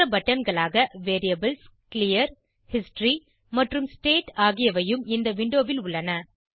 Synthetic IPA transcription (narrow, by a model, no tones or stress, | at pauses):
ɐbɐʈːɐnɡɐɭaːɣɐʋeːɾɪjɐbɐlskɪlɪjɐɾ | hɪsʈɾi | mɐʈrɯmsʈeːʈaːɣɪjɐʋɐjɯmɪnd̪ɐʋɪɳɖoːʋɪlʊɭːɐnɐ